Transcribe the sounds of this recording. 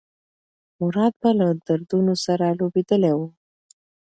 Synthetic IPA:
mʊɾɑd̪̚balad̪aɾd̪unosaɾalobed̪əlewu

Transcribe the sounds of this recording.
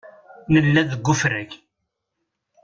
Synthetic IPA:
nəlːæðəɡʷːʊfɾæç

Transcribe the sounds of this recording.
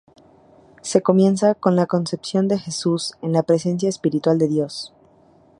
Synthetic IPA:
se̞ko̞mjẽ̞nsako̞nlako̞nse̞psjo̞nd̪e̞xe̞suse̞nlapɾe̞se̞ns̬jaespiɾit̪wald̪e̞ðjo̞s

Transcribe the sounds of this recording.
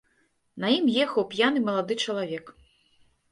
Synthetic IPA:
nɐjimjɛxɐwpʲjanɨmɐlˠad̪ɨt͡ʂɐlˠavʲɛk

